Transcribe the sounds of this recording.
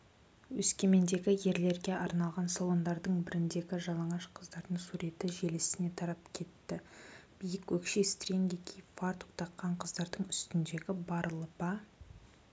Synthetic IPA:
wɵskʲe̞me̞nd̪e̞ɡʲɪje̞ɾle̞ɾɡʲe̞ʔɑɾnɑlˠʁɑnsolˠo̞nd̪ɑɾd̪əɴbɪɾɪnd̪e̞ɡʲɪʒɑlˠɑɴɑʃqʰəzd̪ɑɾd̪əɴsuɾe̞t̪ɪʒe̞lɪsɪne̞t̪ʰɑɾɑpkʲʰe̞t̪ːɪb̥ijɪkwɵkʃest̪rʲeŋɡʲekʲʰejpfaɾt̪u̥qt̪ʰɑqːɑɴqʰəzd̪ɑɾd̪əɴʏst̪ɪnd̪e̞ɡʲɪbɑɾəlˠəpɑ

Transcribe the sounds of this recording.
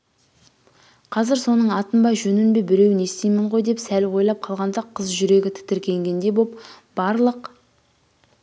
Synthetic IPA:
qʰɑzɪɾso̞nəɴɑt̪ənbɑjʒɵnɪnbe̞bɪle̞wɪne̞st̪ejmɪɴʁo̞jd̪e̞psælwo̞jlˠɑp̚qʰɑlˠʁɑnd̪ɑqʰəzʒʏɾe̞ɡʲɪt̪ʰɪ̥t̪ɪɾkʲʰe̞ŋɡʲe̞nd̪e̞bo̞p̚ | b̥ɑɾlˠəq

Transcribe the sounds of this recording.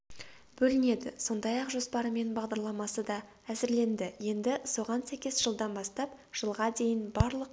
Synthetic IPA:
b̥ɵlɪne̞d̪ɪso̞nd̪ɑjɑqʒo̞spɑɾəme̞nbɑʁd̪ɑɾlˠɑmɑsəd̪ɑ | æzɪɾle̞nd̪ɪje̞nd̪ɪso̞ʁɑnsæjkʲe̞sʒ̥əlˠd̪ɑnbɑst̪ɑp̚ | ʒ̥əlˠʁɑd̪e̞jɪnbɑɾlˠəq

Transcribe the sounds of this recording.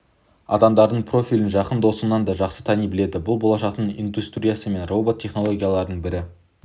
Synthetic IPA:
ɑ̰d̪ɑmd̪ɑɾd̪əɴpʰro̞fʲilɪnʒɑqənd̪o̞sənːɑnd̪ɑʒɑqsə̥t̪ʰɑnijbɪle̞d̪ɪbʊlˠbo̞lˠɑʃɑq̚t̪əɴḭnd̪ust̪rʲijasəme̞nro̞bot̪ʲʰːeχno̞lˠo̞ɡʲijalˠɑɾəd̪əɴbɪɾɪ

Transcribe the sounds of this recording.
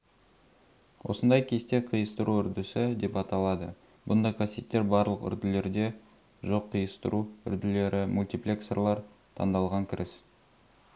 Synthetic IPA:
wo̞̰sənd̪ɑjkʲʰe̞st̪eqʰijəst̪əɾuʏɾd̪ɪsɪd̪e̞pɑt̪ɑlˠɑd̪ə | bʊnd̪ɑjqʰɑsijet̪ːeɾbɑɾlˠəqʏ̰ɾd̪ɪle̞ɾd̪e̞ | ʒo̞qʰːijəst̪əɾʔuʏ̰ɾd̪ɪle̞ɾʔɪmʔulʲt̪iplʲe̞ksḛrlˠɑɾt̪ʰɑ̰nd̪ɑlˠʁɑŋkʲʰɪɾʔɪs

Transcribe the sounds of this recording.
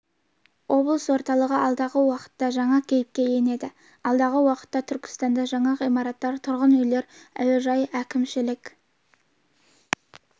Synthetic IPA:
wʔo̞blˠəswo̞ɾt̪ɑlˠəʁəʔɑlˠd̪ɑʁəwɑqə̥t̪ːɑʒɑɴɑkʲʰe̞jɪp̚kʲe̞je̞ne̞d̪ɪ | ɑlˠd̪ɑʁəwɑqə̥t̪ːɑt̪ʰʏɾkʲɪ̥st̪ɑnd̪ɑʒɑɴɑʁijmɑɾɑt̪ːɑɾt̪ʰʊɾʁənʏjle̞ɾæ̰wɪʒɑjækʲɪmʃɪlɪkʲ

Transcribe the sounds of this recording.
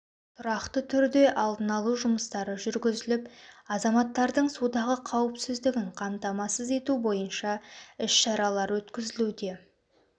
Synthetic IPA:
t̪ʰʊɾɑqt̪ət̪ʰʏɾd̪e̞ʔɑlˠd̪ənɑlˠuʒʊməst̪ɑɾəʒʏɾɡʲɪzɪlɪpɑzɑmɑt̪ːɑɾd̪əɴsud̪ɑʁəqʰɑwəpsɪzd̪ɪɡʲɪɴqʰɑmt̪ɑmɑsəze̞t̪ubo̞jənʃɑɪʃʃɑɾɑlˠɑɾwɵt̪kʲɪzɪlud̪e̞

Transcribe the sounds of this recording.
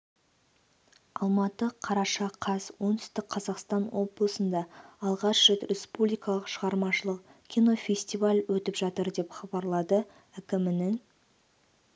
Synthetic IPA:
ɑlˠmɑt̪əqʰɑɾɑʃɑqʰɑzwo̞nt̪ʏ̥st̪ɪk̚qʰːɑzɑqst̪ɑnwo̞blˠəsənd̪ɑːlˠʁɑʃʒet̪rʲespublʲijkɑlˠəqʃəʁɑɾmɑʃəlˠəq̚kʲʰijno̞fʲe̞sʲt̪ivalʲwɵt̪ɪpʒɑt̪əɾd̪e̞pχɑbɑɾlˠɑd̪ə | ɪkʲɪmɪnɪŋ

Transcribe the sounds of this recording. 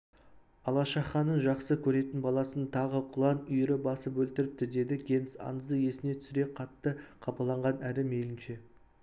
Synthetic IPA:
ɑlˠɑʃɑχɑnənʒɑqsəkʲʰɵɾe̞t̪ɪnbɑlˠɑsənt̪ʰɑʁəqʰʊlˠɑnʏjɪɾɪbɑsəpwɵlt̪ɪɾɪp̚t̪ɪd̪e̞d̪ɪɡʲe̞nsɑ̰nzd̪əje̞sɪne̞t̪ʰʏ̥sɪɾe̞qʰɑt̪ːəqʰɑpɑlˠɑɴʁɑnælɪme̞lɪnʃe̞

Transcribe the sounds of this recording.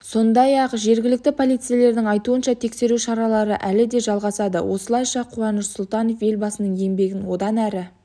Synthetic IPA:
sso̞nd̪ɑjɑqʒe̞ɾɡʲɪlɪk̚t̪ɪpʰo̞lˠijt̪sɨjele̞ɾd̪ɪŋɑjt̪uənʃɑt̪ʰe̞kse̞ɾuʃɑɾɑlˠɑɾəʔælɪd̪e̞ʒɑlˠʁɑsɑd̪ə̰wʔo̞səlˠɑjʃɑqʰuɑnəʃsʊlˠt̪ɑno̞fje̞lbɑsənəɴe̞mbe̞ɡʲɪnwo̞d̪ɑnæɾɪ

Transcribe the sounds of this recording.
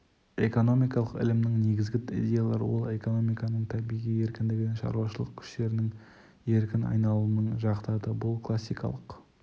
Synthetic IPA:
e̞ko̞no̞mijkɑlˠəqɪ̰lɪmnɪŋne̞ɡʲɪzɡʲɪḭd̪ʲe̞jalˠɑ̰ɾ̰wolˠe̞ko̞no̞mijkɑnəɴt̪ʰæbijʁije̞ɾkʲɪnd̪ɪɡʲɪnenʃɑ̰ɾuwɑʃəlˠəq̚kʲʰʏ̥ʃt̪e̞ɾɪnɪŋ | e̞ɾkʲɪnɑ̰jnɑlˠuənəɴʒɑqt̪ɑd̪əbʊlˠkʰlˠasːijkɑ̰lˠəq

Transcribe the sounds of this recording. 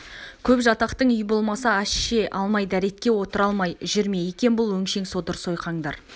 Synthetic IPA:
kʲʰɵpʒɑt̪ɑqt̪əɴʏjbo̞lˠmɑsəæʃʃe̞ʔɑlˠmɑjd̪æɾe̞t̪kʲe̞wo̞t̪əɾɑlˠmɑjʒɪɾme̞jekʲe̞nbʊlˠwɵŋʃe̞ŋso̞d̪əɾso̞jqɑɴd̪ɑɾ

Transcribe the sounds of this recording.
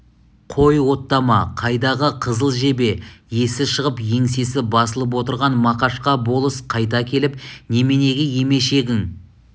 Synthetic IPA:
qʰo̞jwo̞t̪ːɑmɑqʰɑjd̪ɑʁəqʰəzəlˠʒe̞be̞je̞sɪʃəʁəpje̞ŋse̞sɪbɑsəlˠəp̬wo̞t̪əɾʁɑnmɑqɑʃqɑbo̞lˠəsqʰɑjt̪ɑkʲʰe̞lɪp̚ne̞me̞ne̞ɡʲɪje̞me̞ʃe̞kʲɪŋ

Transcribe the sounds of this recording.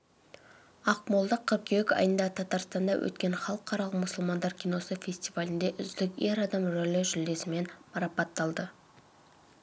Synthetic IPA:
ɑqmolˠd̪əqʰːəp̚kʲʰeɪkɑ̰jənd̪ɑt̪ʰɑt̪ɑɾst̪ɑnd̪ɑwʔɵ̰t̪kʲe̞ɴχɑlˠəqʰːɑɾɑlˠəqmʊsʊlˠmɑnd̪ɑɾkʲʰino̞səfʲe̞st̪ivalʲɪnd̪e̞ʔʏzd̪ɪkʲeɾɑd̪ɑmɾɵlɪʒʏld̪e̞sɪme̞nmɑɾɑpɑt̪ːɑlˠd̪ə

